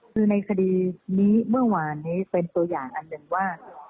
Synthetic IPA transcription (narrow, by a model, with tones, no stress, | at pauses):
kʰɯː˧na˧jkʰa˧diː˧niː˦˥mɯ˥˩ɐwaː˧˩niː˦˥pe˧nt̪u˧ɐjaː˨˩ŋʔa˧nːɯ˧ŋwaː˥˩